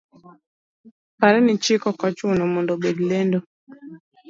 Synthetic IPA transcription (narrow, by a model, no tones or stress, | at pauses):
paɾɛnit͡ʃikɔkat͡ʃunɔmɔndɔbedlɛndɔ